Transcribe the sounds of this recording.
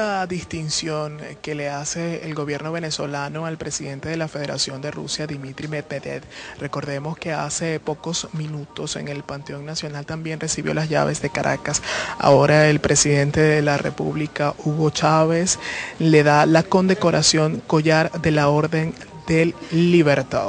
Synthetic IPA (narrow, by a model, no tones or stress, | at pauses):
aðist̪insjo̞ŋke̞le̞ase̞ːlɡo̞βje̞ɾno̞β̞e̞ne̞so̞lano̞alpɾe̞siðe̞nt̪e̞ðe̞lafe̞ð̞e̞ɾa̰sjo̞nd̪e̞rṵsjaðimit̪ɾimeð̚meðḛt̪re̞ko̞ɾðe̞mo̞ske̞ase̞po̞ko̞smĩnut̪o̞se̞̰ŋe̞lpant̪eo̞ŋnasjo̞nalt̪ambje̞nre̞siβjo̞̰lazʝa̰βe̞zðe̞kaɾʔa̰kasa̰o̞ɾae̞lpɾe̞siðe̞nt̪e̞ðelarʔḛpṵβlikaʔuɣo̞t͡ʃaβe̞sle̞ðalako̞nd̪e̞ko̞ɾasjo̞ŋko̞ʝaɾðe̞lao̞ɾðe̞n | d̪e̞lːiβe̞ɾt̪a̰ð